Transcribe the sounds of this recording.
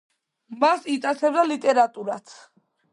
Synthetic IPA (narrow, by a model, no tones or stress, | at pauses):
masit̪sʼat̪sʰɛbd̪alit̪ʼɛɾat̪ʼuɾat̪ʰ